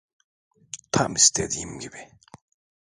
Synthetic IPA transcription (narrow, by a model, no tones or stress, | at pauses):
t̪ʰamist̪ʰed̪iːimɟibi